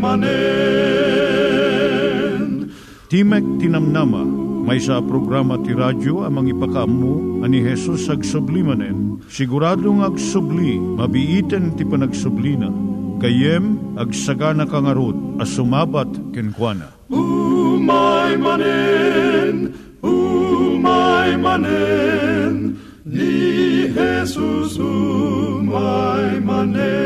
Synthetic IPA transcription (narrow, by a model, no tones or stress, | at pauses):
manɛ | n | t̪imɛk̚t̪inɐmnamɐ̰mɐjsɐpɾoɡɾamɐt̪iɾadoɐmɐŋipɐkɐɐmːuɐniɦɛsusɐɡsʊblimɐnɛn | sɪɡʊɾaːd̪oŋɐɡsʊblimɐbiʔiːt̪ɛnt̪ipɐnɐɡsʊblinɐ̰kɐjɛmɐɡsɐɡanɐkaŋɐɾud̪̚ɐsʊmaːbat̪kɪnkwanɐ̰ | umajmanɛ | n | umajmanɛ | n | ihɛsus | majman